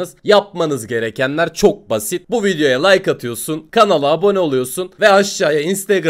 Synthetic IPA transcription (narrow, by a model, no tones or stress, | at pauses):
ɯzjap̚manɯzɟe̞ɾecænlʲæɾt͡ʃʰo̞k̚basit̪̚buvid̪ejo̞jalˠajkat̪ʰɯjo̞sunkʰanalˠɯːbo̞nɛolˠujo̞sunvɛaʃːaːjainst̪ʰeɡɾ